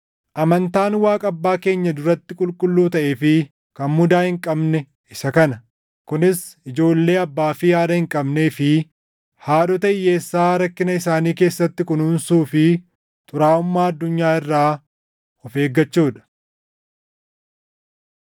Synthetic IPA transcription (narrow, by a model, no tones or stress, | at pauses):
ʔɐmɐnt̪aːnwaːkʼɐbːaːke̞ːɲːɐd̪ʊɾɐt̪ːɪkʼʊlkʼʊlːuːt̪ɐʔe̞ːfɪ | kɐnmʊd̪aːhɪŋkʼɐbnɛ | ɪsɐkɐnɐ | kʊnɪsɪd͡ʒo̞ːlːe̞ːɐbːaːfɪjaːd̪ɐhɪŋkʼɐbneːfɪ | haːᶑɔt̪ɐɪjeːsːaːɾɐkːɪnɐɪsaːniːke̞ːsːɐt̪ːɪkʊnʊːnsuːfɪ | t̪ʼʊɾaːʊmːaːɐd̪ːʊɲːaːɪrːaː | ɔfe̞ːɡːɐt͡ʃːuːᶑɐ̥